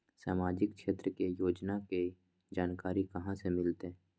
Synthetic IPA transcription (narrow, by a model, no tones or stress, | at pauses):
sa̰ːmaːd͡ʒɪkʃeːt̪ɾəkejoːd͡ʒnake | d͡ʒaːnkaːɾikɐɦãsemɪlt̪eɛ